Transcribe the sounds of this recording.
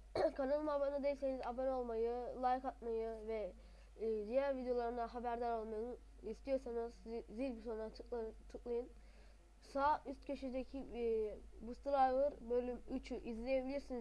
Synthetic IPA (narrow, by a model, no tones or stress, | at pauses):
kʰanalˠɯmabanɯd̪eilʲse̞nizabaɾo̞lˠmajɯlˠajikat̪̚majɯvɛː | d̪ijæɾvid̪ejo̞lˠaɾɯnd̪aɦabæɾd̪aɾo̞lˠmajɯ | ist̪ʰijo̞ɾsanɯzziɾbisonɾaɯkt͡ʃ̪ʰɯklˠajɯn | saːyst̪̚cʰøʃyd̪ecʰi | bust̪ɯɾˠajvɯɾbølʲːymyt͡ʃʰyʔizlʲejebilʲiɾsiniz